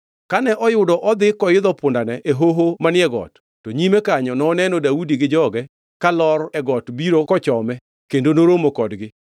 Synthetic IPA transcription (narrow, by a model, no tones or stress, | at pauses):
kanɛʔɔjʊdɔʔɔd̪ɪkɔjɪd̪ɔpʊndanɛʔeɦoɦomanɪɛɡɔ̰tːɔɲimɛkaɲɔnɔːnɛnɔdaudiɡɪd͡ʒɔɡɛ | kalɔrɛɡɔtbiɾokɔt͡ʃɔmɛ | kendonoɾomokɔdɡɪ